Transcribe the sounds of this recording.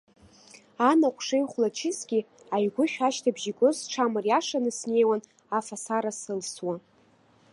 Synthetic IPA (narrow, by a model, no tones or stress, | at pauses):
anaqʷʰʂejχʷlat͡ʃʰɪsɡʲi | ajɡʷʊχʲᶣaʃtʰabʒikʼozʈ͡ʂʰamɨrjaʂanɨsne̞jwan | afasaɾasɨlswa